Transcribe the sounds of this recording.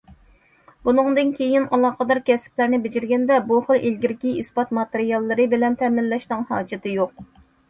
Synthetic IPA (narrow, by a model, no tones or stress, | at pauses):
bunɨŋd̪ɨnkʲʰejinɑlˠɑːqəd̪ɑɾkʲʰɛsɪ̥plæɾnɪbɪd͡ʒɪɾɡʲɛnd̪ɛbuχəlˠʔelɡʲiɾkʲiispɑt̪mɑt̪eɾijɑlˠːɨɾɨbɪlɛnt̪ʰɛmɪlːɛʃnɨŋhɑːd͡ʒɪt̪ʰɨjoq̚